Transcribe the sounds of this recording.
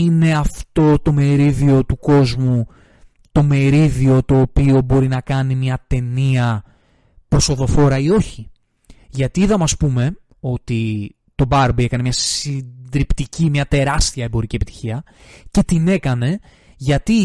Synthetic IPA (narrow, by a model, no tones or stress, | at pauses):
ine̞ɐft̪o̞t̪o̞me̞ɾiðio̞t̪uko̞zmu | t̪o̞me̞ɾiðio̞t̪o̞ːpio̞bo̞ɾinɐkɐnimɲɐt̪e̞niɐ | pɾo̞so̞ðo̞fo̞ɾɐio̞çi | ʝɐt̪iiðɐmɐspume̞ | o̞t̪i | t̪o̞bɐɾbie̞kɐne̞mɲɐsid̪ɾipt̪icimɲɐt̪e̞ɾɐst̪iɐembo̞ɾiciepit̪i̥çiɐ | ce̞t̪ine̞kɐne̞ | ʝɐt̪i